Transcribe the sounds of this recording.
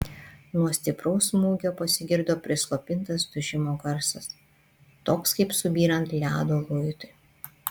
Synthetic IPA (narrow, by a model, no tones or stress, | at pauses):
nuɔsʲt̪ʲɪpɾɐʊsmuːɡʲoːpɐsʲɪɡʲɪɾd̪oːpʲɾʲɪslˠoːpʲɪnˑt̪ɐsd̪ʊʒʲɪmoːɡɐɾsɐs | t̪oːkskɐɪpsʊbʲiːɾɐnt̪lʲæːd̪oːlʊjt̪ʊɪ